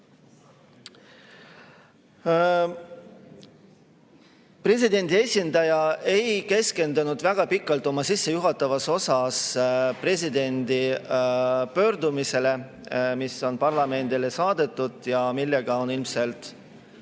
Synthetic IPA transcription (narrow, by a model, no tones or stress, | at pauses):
pre̞s̬id̪e̞nd̪̥ʲie̞sʲind̪ɑjɑe̞jke̞ske̞nd̪̥ɑnud̪væɡ̥ɑpikːˑɑlt̪ːˑo̞mɑsisːejuɦɑt̪ːˑɑvɑso̞sɑspre̞s̬ʲid̪e̞nd̪i | pø̞ːɾd̪umise̞le̞ | miso̞npɑrlɑme̞nd̪ile̞sɑːd̪̥e̞t̪ˑːud̪̥jɑmilːeɡ̥ɑo̞nilmse̞lt̪ˑ